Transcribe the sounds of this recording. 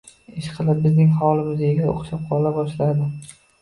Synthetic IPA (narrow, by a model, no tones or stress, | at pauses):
eʃqʰɨlˠɪp̚bɪznɪŋɦɒlˠɪmɪzeɡʲao̰qʃap̚qʰɒlabɒʃlad̪ɪ